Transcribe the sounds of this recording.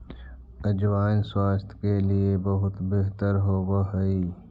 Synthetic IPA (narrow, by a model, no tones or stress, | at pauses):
əd͡ʒwaːɪnswaːst̪ʰkeliebɐɦʊt̪beɦt̪əɾɦoːwaɦɐiː